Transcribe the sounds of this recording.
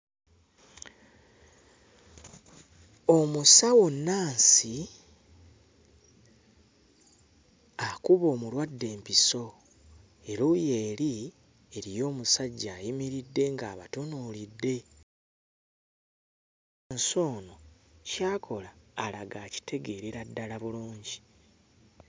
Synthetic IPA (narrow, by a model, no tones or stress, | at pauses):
o̞musawonːaːnsi | akuβo̞ːmulwadːe̞ːmpiso̞ | e̞ɾuje̞ːli | eɾijo̞ːmusaɟːaːjimiɾidːe̞ŋɡaːβa̰tonuːlidːe̞ | nso̞ːno̞ | caːkʰo̞laːlaɡaːci̥tʰe̞ɡe̞ɾiɾadːalaβuluːɲɟi